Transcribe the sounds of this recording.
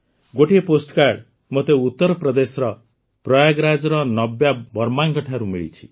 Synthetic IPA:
ɡoʈieposʈkaɾɖ | mot̪eut̪ːɔɾɔpɾɔd̪esɔɾɔ | pɾɔjaɡɾad͡ʒɔɾɔnɔbjabɔɾmaŋkɔʈʰaɾumḭɭḭt͡ʃʰi̥

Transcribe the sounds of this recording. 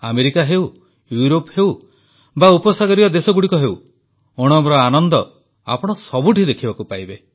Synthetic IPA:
a̰meɾikaɦew | juɾophew | baupɔsaɡɔɾiɔd̪esɔɡuɽikɔɦew | oɽ̃ɔmɾɔanɔnd̪ɔ | a̰pɔɽ̃ɔsɔbuʈʰid̪ekʰibakupajbe

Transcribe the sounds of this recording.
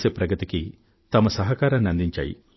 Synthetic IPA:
sepɾɐɡɐt̪iki | t̪ɐmɐsɐɦɐkaːɾɐnɐnd̪iɲt͡ʃa̰ːjḭ

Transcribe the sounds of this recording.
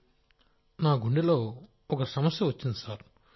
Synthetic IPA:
naːɡuɳɖilo̞ː | ɔkɐsɐmɐsjɐʋɐt͡ʃːind̪isaːɾ

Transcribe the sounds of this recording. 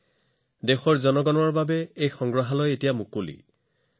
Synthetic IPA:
dexɔɹzɔnɔɡɔnɔɹbabɛejxɔŋɡɹaɦalɔjetijamukolḭ

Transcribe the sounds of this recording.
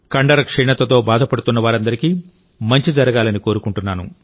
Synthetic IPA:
kɐɳɖɐɾɐkʂɛːɳɐt̪ːɐt̪o̞ːbaːd̪ʱɐpɐɽut̪unːɐʋaːɾɐnd̪ɐɾikiː | mɐɲt͡ʃid͡ʒɐɾɐɡaːlɐniko̞ːɾukuɳʈunːaːnṵ

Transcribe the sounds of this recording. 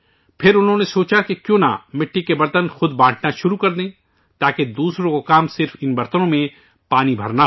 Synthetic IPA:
pʰɪɾʊnɦõnesoːt͡ʃakekjõːna̰mɪʈʰːikebɐɾt̪ənxʊd̪bãːʈʰnaʃʊɾukɐɾd̪ẽː | t̪aːked̪uːsɾõkokaːmsɪɾfɪnbɐɾt̪ənõmẽ | paːnibʱɐ̰ɾna

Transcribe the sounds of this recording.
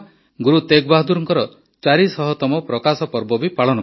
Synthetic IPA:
ɡuɾut̪ekbaɦd̪uɾɔŋkɔɾɔ | t͡ʃaɾisɔɦɔt̪ɔmɔpɾɔkasɔpɔɾbɔbipaɭɔnɔ

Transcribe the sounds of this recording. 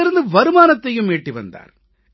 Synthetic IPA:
ɪɾɯnd̪ɯʋɐɾɯmaːnɐt̪ːɐjɯmeːʈːiʋɐ̰nd̪a̰ːɾ

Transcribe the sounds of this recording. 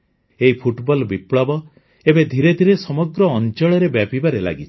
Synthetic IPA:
eɦipʰuʈbɔlbipɭɔbɔ | ebed̪ʱiɾed̪ʱiɾesɔmɔɡɾɔːnt͡ʃɔɭɔɾebjapibaɾela̰ɡit͡ʃʰi̥

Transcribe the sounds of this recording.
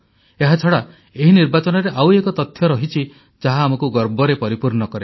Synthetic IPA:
eɦat͡ʃʰɔɽa | eɦiniɾbat͡ʃɔnɔɾeʔawekɔt̪ɔt̪ʰːjɔɾɔɦit͡ʃʰi | d͡ʒaɦaːmɔkuɡɔɾbɔɾepɔɾipuɾɳɔkɔɾe

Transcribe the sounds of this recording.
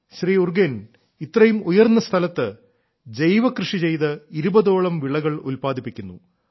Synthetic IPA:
ɕriːurɡen | it̪ːrɐjumujɐrnːɐst̪ʰɐlɐt̪ːɨ | dejʋɐkrɨʂit͡ɕe̞jt̪ɨiɾubɐðo̞ːɭɐmʋiɭɐɣɐɭulpaːd̪ipːikʲːunːṵ

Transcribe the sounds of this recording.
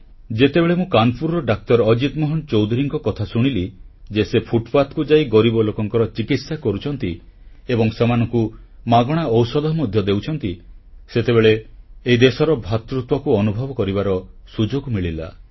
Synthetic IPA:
d͡ʒet̪ebeɭemũkanpʰuɾɔɖak̚t̪ɔɾɔd͡ʒit̪mɔɦɔnt͡ʃowd̪ʱuɾiŋkɔkɔt̪ʰasuɽ̃ilid͡ʒesepʰuʈpat̪kud͡ʒaiɡɔɾibɔlokɔŋkɔɾɔt͡ʃikit̪sakɔɾut͡ʃʰɔnt̪i | ebɔŋsemanɔŋkumaɡɔɽ̃aɔwsɔd̪ɔɦɔmɔd̪ʱjɔd̪ewt͡ʃʰɔnt̪iset̪eβeɭeːid̪esɔɾɔbʱat̪ɾut̪wɔkuɔnubʱɔbɔkɔɾibaɾɔsud͡ʒoɡmiɭila̰

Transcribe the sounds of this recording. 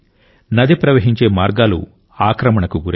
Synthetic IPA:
nɐd̪ipɾɐʋɐɦiɲt͡ʃe̞ːmaːɾɡaːlṵ | aːkɾɐmɐɳɐkuɡuɾe

